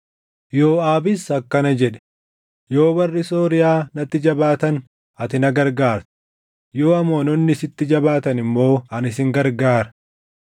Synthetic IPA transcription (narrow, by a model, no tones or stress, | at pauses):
jo̞ːaːbɪsɐkːɐnɐd͡ʒɛᶑɛ̥ | jo̞ːbɐrːɪsoːɾɪjaːnɐt̪ːɪd͡ʒɐbaːt̪ɐn | ɐt̪ɪnɐɡɐɾɡaːɾt̪ʊ̥ | jo̞ːɐmoːnɔnːɪsɪt̪ːɪd͡ʒɐbaːt̪ɐnɪmːo̞ːɐnɪsɪŋɡɐɾɡaːɾɐ̥